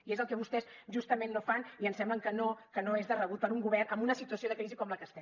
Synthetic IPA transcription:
iezəlˠkɛβ̞ust̪ɛzʒust̪əmenːofaniənsɛmbləŋkənokənoezðərəβut̪̚pəɾuŋɡuβɛrnəmbunəsit̪uəsioðəkɾizikɔmləkəst̪ɛ

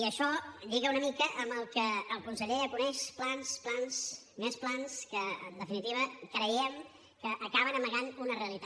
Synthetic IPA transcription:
iəʃɔʎiɣəunəmikəʔəmbəlˠkəːlˠkunsəʎeəkunɛʃplansplans | mesplanskəənd̪əfinit̪iβəkɾəjɛm | kəʔəkaβənəməɣanunəreəlit̪a

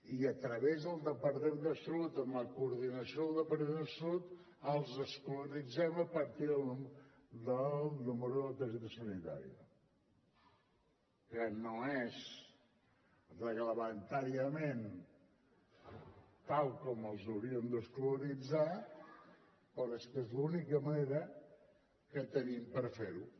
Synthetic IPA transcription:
iət̪ɾəβezðəlˠd̪əpəɾðɛnd̪əsɾut̪əmləkuɾðinəsiolˠd̪əpəɾðeðəsut̪ | əlˠzəskluɾid͡zɛməpəɾt̪iðəlˠud̪ənuməɾuðəət̪əzit̪əsunit̪a̰ɾiə̰ | kənoɛz | rəɣləmənt̪aɾiəmen | t̪alˠkɔməlˠzəwɾiənd̪əskluɾid͡za | poɾɛst̪ezlunikəməneɾə | kət̪ənimpəɾfeɾṵ

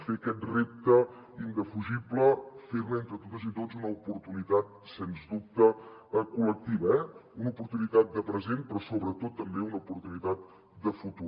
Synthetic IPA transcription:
feəkɛt̪rep̚t̪ə | ind̪əfuʒibləfeɾnent̪ɾət̪ot̪əzit̪ozunəupuɾt̪unit̪at̪̚senzd̪up̚t̪əkulək̚t̪iβəɛunupuɾt̪unit̪at̪̚d̪əpɾəzempɾɔsoβɾət̪ot̪ːəmbeunəupuɾt̪unit̪at̪̚ | d̪əfut̪u

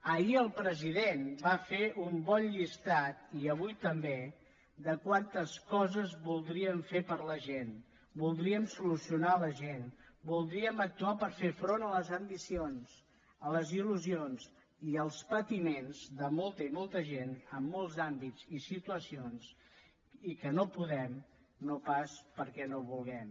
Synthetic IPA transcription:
əiəlˠpɾəziðenbafeʔumbɔnʎist̪at̪̚iəβ̞ujt̪əmbe | d̪əkwant̪əskɔzəzβulˠd̪ɾiəɱfepəɾləʒen | bulˠd̪ɾiəmsulusiunaləʒenbulˠd̪ɾiəmək̚t̪uapəɾfefɾonələzəmbisionz̥ | ələziluzionz | iəlˠspət̪imenzðəmolˠt̪əimɔlˠt̪əʒenəmːolˠzambid͡zisit̪uəsionz | ikənopuðɛm | nopaspəɾkɛnoβulˠɣɛm

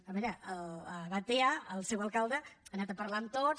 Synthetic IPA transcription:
əβɛɾəʔələβat̪eaəlˠsɛwəlˠkalˠd̪əənat̪əpəɾlant̪o

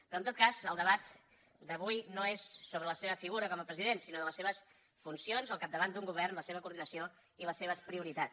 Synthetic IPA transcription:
pɾɔnt̪ot̪̚kazəlˠd̪əβat̪ | d̪əβujnoesːoβɾələseβəfiɣuɾəkɔməpɾəziðensinoðələseβ̞əs | funsionzəlˠkap̚d̪əβand̪uŋɡuβ̞ɛrnləseβəkuɾðinəsio | iləseβəspɾiuɾit̪a

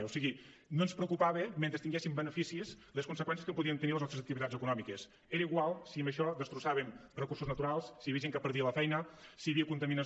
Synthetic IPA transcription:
osiɣinonspɾəkupaβemẽnt̪ɾest̪iŋɡɛsimbənəfisizleskunsəkwɛns̬je̥skəpuðient̪ənileznɔst̪ezək̚t̪iβit̪ad͡zəkunɔmikes | eɾəiɣwalˠsiəmbəʃɔd̪əst̪ɾusaβemrəkursuznət̪uɾalˠsːiəiəʒeŋkəpəɾðiələfɛjnəsiəβiəkunt̪əminə

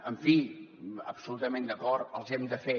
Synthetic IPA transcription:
əɱfiəpsulut̪əmẽnd̪əkɔɾt̪əlˠzɛmd̪əfe

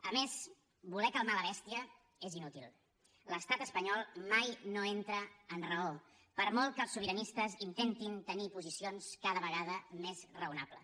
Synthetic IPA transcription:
əmez | bulɛkəlˠmaləβ̞ɛst̪iə | ezinut̪ilˠ | ləst̪at̪əspəɲɔlˠmajnoent̪ɾəːnrəo | pəɾmɔlˠt̪̚kəːlˠsuβiɾənist̪əzint̪ent̪int̪ənipuzisionskaðəβəɣ̞aðəmezrəunaplə̰

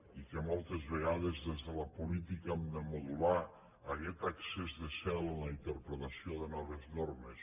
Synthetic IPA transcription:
ikemɔlˠt̪ezβeɣaðezðezðələpulit̪ikəmd̪əmuðulaː | ɣɛt̪aksezðəsɛlənləint̪əɾpɾet̪asioðənɔβ̞eznoɾmes

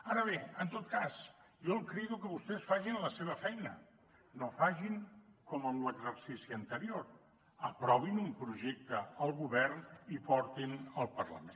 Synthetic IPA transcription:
aɾəβ̞eənt̪ot̪̚kas | jɔlˠkɾɛɣukəβust̪ɛsfaʒinləseβ̞əfɛjnə̰ | nofaʒiŋkɔməmləɡzərsisiənt̪əɾioɾ | əpɾɔβ̞inumpɾuʒek̚t̪əəlˠɣuβɛrnipɔɾt̪inəlˠpərlə̰men

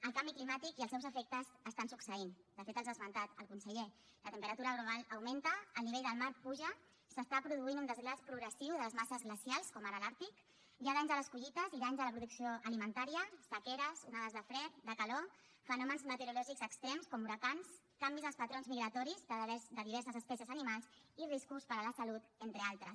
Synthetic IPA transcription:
əlˠkambiklimat̪ikiəlˠsɛwzəfɛk̚t̪əzəst̪ansuksəind̪əfet̪əlˠzðəzmənt̪at̪əlˠkunsəʎe | lət̪əmpəɾət̪uɾəɣɾuβaləwment̪əːlˠniβeʎd̪əlˠmaɾpuʒə | səst̪apɾuðuinunəzɣlaspɾuɣɾəsiwðələzmasəzɣləsjalˠskɔməɾalaɾt̪ik | ʒaðaɲzðələskuʒit̪əziðaɲzðələpɾuðuksioʔəlimənt̪aɾiəsəkeɾəzunaðazðəfɾɛt̪̚d̪əkəlo | fənɔmənzmət̪əɾulɔʒikzəkst̪ɾemskɔmuɾəkans | kambizəlˠspət̪ɾonzmiɣɾət̪ɔɾizd̪əzd̪əðiβɛɾsəzəspɛsiəzənimalˠziriskuspəɾələsəlut̪ent̪ɾəalˠt̪ɾəs

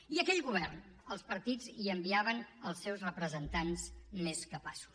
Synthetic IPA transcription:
iəkɛʎɣuβ̞ɛrn | əlˠspəɾt̪id͡ziəmbiaβənəlˠsːɛwzrəpɾəzənt̪anzmeskəpasu̥s

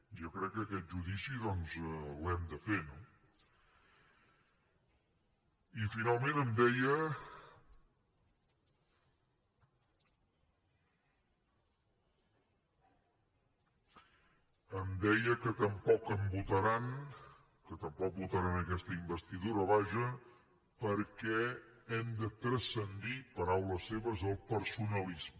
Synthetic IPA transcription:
ʒokɾɛkːəɛt̪̚ʒuðisiðɔnzɛwɛmd̪əfeno | ifinalˠmẽnəmd̪ɛjə | əmd̪ɛjəkət̪əmpɔkəmbut̪əɾan | kət̪əmpɔk̚but̪əɾanəkɛst̪əimbəst̪iðuɾəoβaʒə | pəɾkɛɛmd̪ət̪ɾəsənd̪ipəɾawləsːeβəzəlˠpəɾsunəlizmə

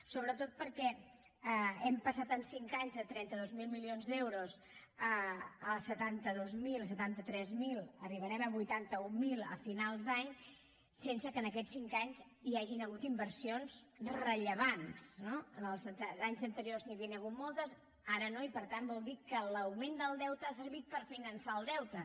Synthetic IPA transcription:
soβɾət̪ot̪̚pəɾkɛ | əɛmpəsat̪ənsiŋkaɲzðət̪ɾɛnt̪əðozmilˠmilionzd̪ɛwɾoz | əəlˠsət̪ant̪əðozmilˠsət̪ant̪ət̪ɾɛzmilˠəriβəɾɛməβujt̪ant̪əumilˠə̰finalˠzd̪aɲ | sensəkənəkɛsiŋkaɲz | iaʒinəɣut̪imbəɾsionz | rəʎəβansnoəlˠzənt̪əaɲzənt̪əɾiorzniəβiənəɣ̞ut̪mɔlˠt̪əz | aɾənoipəɾt̪anbɔlˠd̪ikələwmend̪əlˠd̪ɛwt̪əasəɾβit̪̚pəɾfinənsaəlˠd̪ɛwt̪ə

